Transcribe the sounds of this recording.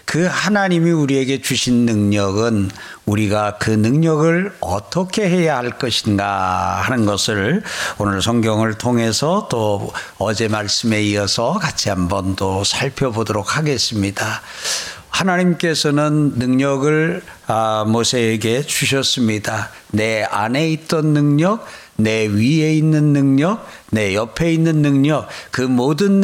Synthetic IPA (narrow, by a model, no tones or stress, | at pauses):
kɯhanaɲimiuɾie̞ɡe̞t͡ɕuɕʰinːɯŋɲʌɡɯn | uɾiɡakɯnɯŋɲʌɡɯɭʌt͈ʌkʰe̞he̞jahaɭk͈ʌɕʰinɡahanɯnɡʌsʰɯɭonɯɭsʰʌŋɡjʌŋɯɭtʰoŋɦe̞sʰʌt͈oʌd͡ʑe̞maɭs͈ɯme̞iʌsʰʌkat͡ɕʰihambʌntosʰaɭpʰjʌbodoɾok̚haɡe̞s͈ɯmɲida | hanaɲimk͈e̞sʰʌnɯnːɯŋɲʌɡɯɭ | mosʰe̞ːɡe̞t͡ɕuɕʰʌs͈ɯmɲida | ne̞a̰ne̞it̚t͈ʌnːɯŋɲʌk̚ | ne̞ɥie̞inːɯnːɯŋɲʌk̚ | ne̞jʌpʰe̞inːɯnːɯŋɲʌk̚kɯmodɯn